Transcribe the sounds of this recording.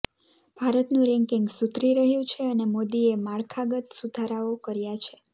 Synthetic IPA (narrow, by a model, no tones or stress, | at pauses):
b̥ʱaɾət̪nũɾɛ̃ŋkɪŋɡsut̪ɾiɾəɦjũt͡ʃʰeənemod̪iemaɭkʰaɡət̪sud̪ʱaɾaokəɾjat͡ʃʰe